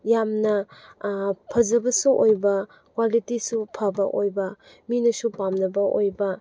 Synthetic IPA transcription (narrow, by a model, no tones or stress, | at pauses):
jamnɐ | pʰɐzɐbɐsuʔojbɐ | kwalitisupʰɐbɐ̰ʔojbɐ | minɐsupamnɐbɐʔojbɐ